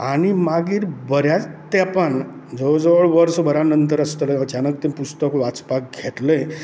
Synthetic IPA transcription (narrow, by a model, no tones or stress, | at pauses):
aɽ̃imaɡiːɾbəɾjat͡st̪apən | d͡zod͡zəʋəɭʋəɾsbʱəɾanənt̪əɾəst̪ələəd͡ʑanək̚t̪ipust̪əkʋat͡spak̚ɡʱet̪le